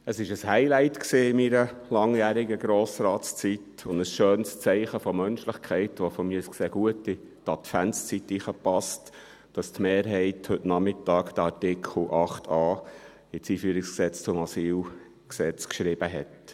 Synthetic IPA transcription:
əsɪʃəshæɪlæɪtksiːɪniɾəlɑŋjæːɾɪɡəɡɾoːsɾɑːtst͡sit | ʊndəsʃøːnst͡sɛɪχəfɔmœnʃləχkʰɛɪtʋofɔmiːɾəskseːɡuətːi | tɑtfænst͡sitːiχəpɑst | d̥ɑstmeːɾɦɛɪthɵtnɑmɪtɑːkd̥əɑɾtɪkʰl̩ʔɑχtʰɑː | ɪt͡siːfyːɾɪksksɛt͡st͡sʊmɑsiːl | ksɛt͡skʃɾɪb̥əɦɛt

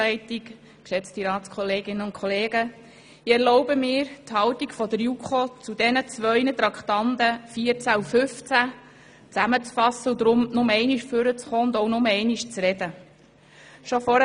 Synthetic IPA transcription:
ɛɪt̪ik | kʃɛt͡stiɾɑːtt͡skʰχɔleːɡɪnəʊnkʰɔleːɡə | ɪɛɾlɔʊbəmɪːɾt̪hɑwt̪ikfɔd̪əɾjukχot͡sud̥̪ɛnət͡sʋœʏnət̪ɾɑkχt̪ɑnd̪əfiːəɾt͡sæufʏft͡sæ | t͡sæmət͡sfɑsːəud̪ɾʊmnʊmɛɪniʃføɾət͡sχɔːʊndɔwnʊməɛɪniʃt͡srɛd̥̪ə | ʃɔfɔ

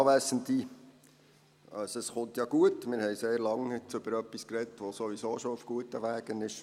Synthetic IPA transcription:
ʋæːsənt̪i | ɑsəsχʊntjɑɡ̥uətmɪɾhɛjseːɾlɑŋɪt͡sʏb̥əɾœpːiskɾɛtʋosoʋisoːʃoufɡ̥uətəʋæːɡ̥ənɪʃ

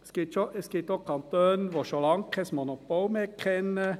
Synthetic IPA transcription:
sɡ̥ɪtʃoʔɛsɡ̥ɪtokʰɑnt̪øːnʋoʃolɑŋkʰɛsmonopolmekʰɛnːə

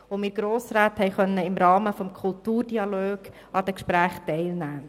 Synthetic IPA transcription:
ʊmiɾɡ̥ɾoːsraːthɛɪχœnːəɪmɾɑːməfɔmkʰʊltuːrd̥iɑløːɡ̥ | ɑd̥̪əkʃpɾæːχtɛɪlnæː

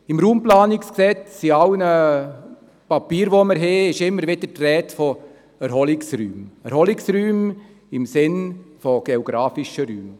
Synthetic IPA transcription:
ɪmɾuːmplɑːnɪksksɛt͡sɪɑwnə | pɑpiːɾʋoməɾɦɛːɪʃɪmːəɾvɪd̥ətrɛːtfɔ | ɛɾɦɔlɪksɾy̰ːmæɾhɔlɪksɾyːm | ɪmsɪnfɔɡ̥eoɡ̥ɾɑːfɪʃəɾyːm

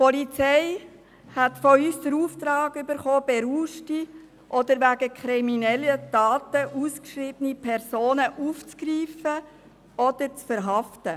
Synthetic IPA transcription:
pɔlit͡sɛɪ | hætfɔystəɾuːft̪ɾɑːɡybəɾχoːb̥ɛɾuːʃti | ʔɔd̪əɾʋæɡəkʰɾiminɛləd̥ɑːtəʔuskʃɾɪtənipʰɛɾsoːnəʔuft͡sɡ̥riːfə | ɔd̥̪əɾt͡sfəɾɦɑftə

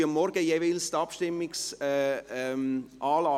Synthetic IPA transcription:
ɑmːɔɾɡəjevɪlstɑpʃtɪmːɪks | ʔɑːlɑ

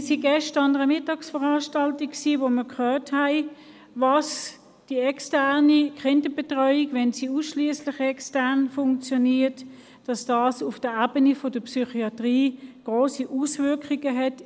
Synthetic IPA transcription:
siɡ̥ɛʃtəɑnəʁəmɪtɑksfəʁɑːʃtɑltikksiːvoməɐkhœːthæɪ | vɑs | d̥iɛkstæʁnikχɪndəb̥ɛtʁœʏikʋɛnsiːusʃliəslɪχɛkstæʁnfʊŋkt͡sjɔniːt | d̥ɑsd̥ɑːsʊfd̥əæbənifɔd̥əpsyχiɑtʁiːɡ̥ʁoːsiʔusvʏɐkχiɡəɦɛt

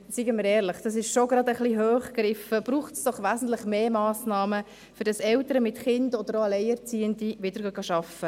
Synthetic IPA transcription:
siɡəməɾɛːɾləχd̥ɑs̬ɪʃʃoɡɾɑd̪əχliɦøːχɡ̥ɾɪfəb̥ɾuːχtsd̥ɔχʋæːsn̩tlɪχmeːmɑːsnɑːmə | fʏɾd̥ɑsɛltəɾəmɪtχɪndɔd̥̪əɾoɑlɛɪɛɾt͡siːəndiʋɪdəɾɡɑɡɑʃɑfə

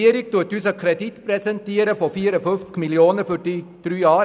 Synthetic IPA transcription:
iəɾɪɡ̚d̪ʊːtyːsəkʰɾɛd̪ɪt̪pɾɛsɛnt̪iːəɾəfɔfiːɾəfʏnft͡skmɪljoːnəfyd̥id̪̥ɾyːɑː

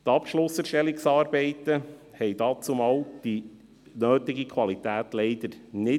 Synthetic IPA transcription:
t̪ɑpʃlʊsːɛɾʃɛliksɑːɾbɛɪt̪ə | hɛɪdɑːt͡sumɑwd̥i | nøːtɪɡikʰʋɑlit̪æːt̪lɛɪd̥̪əɾnɪ

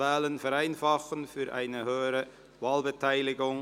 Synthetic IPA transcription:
æːlənfəɾæɪnfɑχən̩fyːɾʔæ̰ɪnəhøːəɾə | vɑːlbət̪ʰæɪlɪɡʊŋ

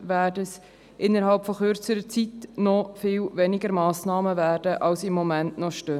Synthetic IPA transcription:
ʋæːɾdəs | ʔɪnːəɾɦɑlpfɔχʏɾt͡səɾət͡sit̪nɔfɪːwvɛnɪɡəɾmɑːsnɑːməvæːrdəʔɑwsɪmːɔmæntnɔʃtøː

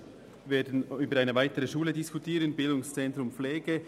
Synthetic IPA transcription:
veːɐdn̩yːbɐʁʔaɪnəvaɪtəʁəʃuːlədɪskʰʊtʰiːʁənbɪldʊŋst͡sɛntʁʊmfleːɡ̥ə

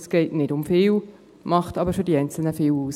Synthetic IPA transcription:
sɡ̥ɛɪtnɪdʊmfɪːw | mɑχtɑbəɾʃɔɾdiɛɪnt͡sl̩nəfɪwuːs

